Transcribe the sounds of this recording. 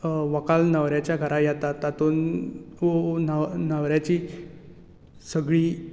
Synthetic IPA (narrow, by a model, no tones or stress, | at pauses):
ʋəkalnəʋɾjat͡ɕjaɡʱəɾajat̪at̪ːat̪ononanəʋɾjat͡ɕiː | səɡɭiː